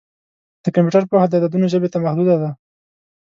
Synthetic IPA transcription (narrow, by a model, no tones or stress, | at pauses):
d̪̥əkampjuʈəɾpəwxad̪əd̪ad̪unoʒəbet̪amahd̪ud̪ad̪a